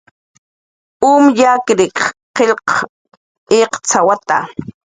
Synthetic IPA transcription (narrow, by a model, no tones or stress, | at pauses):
umjakɾɪkqeʎq | eqt͡sawat̪a̰